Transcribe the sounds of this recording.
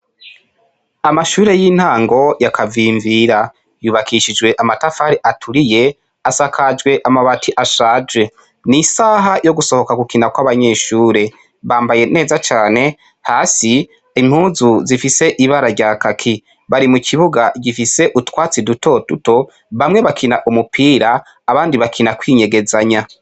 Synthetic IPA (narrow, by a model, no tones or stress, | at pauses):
amaʃuːɾe̞jiːn̥haːŋɡo̞jakʰaviːɱviːɾa | juːβakʰiʃid͡ʒɡwe̞ʔamatafaɾiʔatʰuɾije̞ | asakʰad͡ʒɡwe̞ʔamaβatʰiʔaʃaːd͡ʒɡe̞ | nisaɦajo̞ɡuso̞ho̞kaɡukinakwaβaɲe̞ʃuːɾe̞ | βaːmbaje̞ne̞ːzat͡ʃaːne̞ | haːsi | im̥huːzuzifise̞ʔiβaɾaɾɟakakʰi | βaɾimukʰiβuɡaɟifise̞ʔutwaːt͡siduto̞tuto̞ | βamŋe̞βakʰinaʔumupʰiːɾaː | βaːndiβakʰinakwiːɲe̞ɡe̞zaɲa